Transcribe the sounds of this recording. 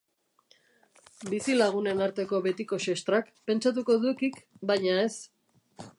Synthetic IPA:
bisilaɣ̞une̞naɾt̪e̞ko̞βe̞t̪iko̞ʃest̪ɾak | pe̞nt͡ʃat̪̬uko̞ðukikbajɲae̞s

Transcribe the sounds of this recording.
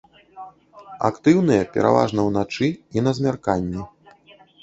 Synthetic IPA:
a̰kt̪ɨwnɨjɐpʲɛ̰ɾʔa̰va̰ʐnɐwnat͡ʂɨinɐzʲmʲarkanʲːɛ

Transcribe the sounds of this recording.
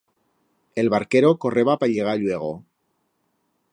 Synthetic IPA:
e̞lβaɾke̞ɾoko̞re̞βapaʎe̞ɣ̞aʎwe̞ɣ̞o̞

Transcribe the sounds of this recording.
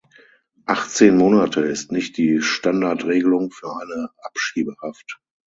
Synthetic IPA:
ʔaχt͡seːnmoːnatʰəɪstnɪçt̚d̥iːʃtandaɐtʁeːɡəlʊŋfyːɐʔaɪnəʔapʃiːbəhaft

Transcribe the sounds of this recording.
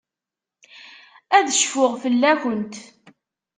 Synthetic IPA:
æðəʃfʊʁfəlːæçənt̪

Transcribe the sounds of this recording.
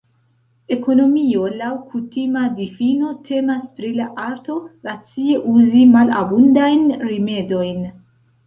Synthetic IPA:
e̞ko̞no̞mio̞lawkʰutimadifino̞tʰe̞maspɾilaʔaɾto̞ɾat͡sie̞ʔuzimala̰bundajnɾime̞do̞jn

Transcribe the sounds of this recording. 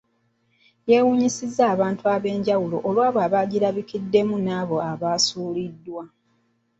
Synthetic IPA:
je̞wuːɲisizːaːβaːntuaβe̞ːɲɟawulo̰ʔolwaːβoaβaːɟiɾaβikidːe̞munaːβo̞aβaːsuːlidːwa

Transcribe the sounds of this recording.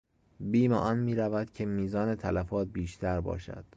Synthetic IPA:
biːmeʔɒːnmiːɾævæd̪̥cʰe̞miːzɒːne̞t̪ʰælæfɒːt̪̚biːʃt̪ʰæɾbɒ̰ːʃæ̰d̪̥

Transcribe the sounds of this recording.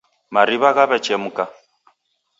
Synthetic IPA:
maɾiβaɣaβɛt͡ʃɛmuka

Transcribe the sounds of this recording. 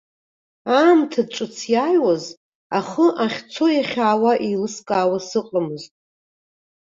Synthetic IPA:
amtʰaʈ͡ʂʼɨt͡sʰjajwaz | aχəʔaχʲt͡sʰojaχʲaːwaʔejlɨskʼaːwasɨqʼamɨztʼ

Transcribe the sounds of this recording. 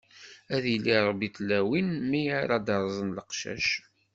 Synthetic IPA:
æðjlːiɾˤbiθlːæwinmijaɾad̪ɑɾˤzˤənləqʃæ̰ʃ

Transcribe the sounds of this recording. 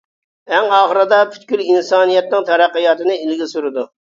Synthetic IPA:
æŋɑːχəɾɨd̪ɑpʰy̥t̪kʲylinsɑːnijɛt̪̚nɪŋt̪ʰɛɾæqːəjɑːt̪ɨnɨilɡʲɪsuɾɪd̪u

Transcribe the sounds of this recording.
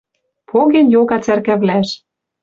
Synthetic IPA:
pʰoɣenjoɣɑt͡særkæβlæʃ

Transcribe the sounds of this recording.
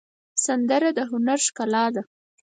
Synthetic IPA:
sand̪əɾad̪əɦʊnaɾʃkalɑd̪a

